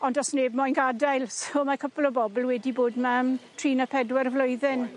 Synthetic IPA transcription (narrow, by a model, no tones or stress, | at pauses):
ɔndɔsneːbmɔjnɡadajlˠsomakʰəplˠɔbɔbəlˠwɛdiboːdmamtʰriːnəpʰɛdwɛrvlʊɨðɪn